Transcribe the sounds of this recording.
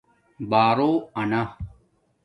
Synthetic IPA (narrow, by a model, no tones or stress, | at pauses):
baːɾoːɐna